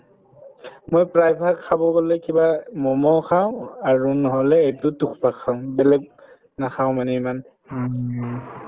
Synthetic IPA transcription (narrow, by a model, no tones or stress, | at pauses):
mojpɹajpʰakʰːabɔɡolɛkibamɔmɔkʰaʊ̃aɹunɔɦɔlɛetʊtukʰbakʰaʊ̃bɛlɛk̚ | naxʰaʊw̃manɛiman